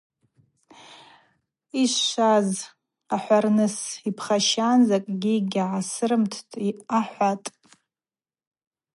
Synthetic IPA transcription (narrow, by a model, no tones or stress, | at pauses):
iʃːaz | aħʷarnɨsipʰχaʃanzakʼɡʲiɡʲʕasɨrɨmtʰtʼiaħʷatʼ